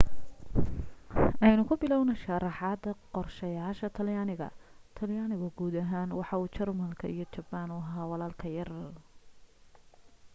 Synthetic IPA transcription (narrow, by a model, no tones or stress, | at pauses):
ʔɛjnʊkʰʊbɪlɔwnɐʃɑrɑħɑd̪ɐqɔrʃɐjaːʃɐt̪ʰɐljaːnɪɣɐ̰t̪ʰɐljaːnɪɣʊɡuːd̪ɐɦaːnwɑħɑuːt͡ʃʰɐrmɐlkʰɐ̰ʔijɞt͡ʃɐbaːnʊɦɐɦaːwɑlaːlkʰɐjɐr